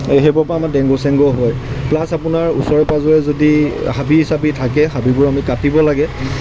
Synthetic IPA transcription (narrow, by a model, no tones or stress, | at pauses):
ɦebɔpɹamadɛ̃ŋɡosɛŋɡɔɦɔjplasapʊnaɹṵsɔɹɛpazɔjɛzodihabiɦisabitʰakɛhabibʊɹamikapibɔlaɡɛ